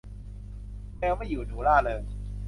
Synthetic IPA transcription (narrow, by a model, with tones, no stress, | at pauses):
ɛː˧˥wma˥˩juː˨˩t̪ʰuː˨˩˦laː˥˩lɤː˧j